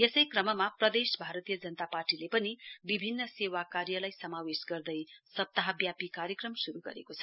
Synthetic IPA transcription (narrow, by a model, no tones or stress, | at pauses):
jesʌjkrʌmʌmaprʌd̪esbʱaɾʌt̪ijʌd͡zʌnət̪aparʈilepʌnibibʱinːʌsewakarjʌlajsʌmawesɡʌrd̪ʌjsʌp̚t̪aɦʌbjapikaɾjʌkrʌmsuɾuɡʌ̰ɾḛkot͡sʰʌ̥